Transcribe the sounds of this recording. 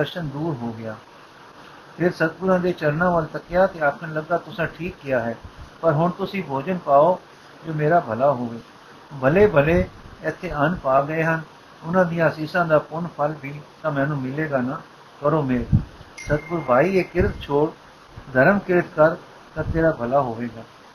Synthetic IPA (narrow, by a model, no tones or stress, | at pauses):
əɾʃənd̪uːɾɦoːɡɪjaː | pʰɪɾsət̪̚ɡʊɾãːd̪eːt͡ʃəɾnãːʋəlt̪əkːɪjaːt̪eːakʰəɳləɡːaːt̪ʊsãːʈʰiːkːɪjaːɦɛːpəɾɦʊɳt̪ʊsĩːbʱoːd͡ʒənpaːoː | d͡ʒoːmeːɾaːbʱəlaːɦoːʋeː | bʱəleːbʱəleːɪt̪ʰːeːənpaːɡəeːɦən | ʊnãːd̪ijãːsiːsãːd̪aːpʊɳpʰəlbiːt̪ãːmɛːnũːmɪleːɡaːnaː | kəɾoːmeːɾsət̪̚ɡʊɾbaːiːeːkɪɾət̪̚t͡ʃʰoːɽ | d̪ʱəɾəmkɪɾət̪kəɾ | t̪ãːt̪eːɾaːbʱəlaːɦoːʋeːɡaː